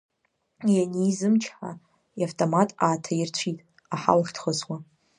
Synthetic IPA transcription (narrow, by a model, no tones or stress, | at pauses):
janijzɨmt͡ʃʰħa̰ | jaftʼomatʼaːtʰairt͡ɕʷʰitʼ | aħa̰lχʲtʰχəswa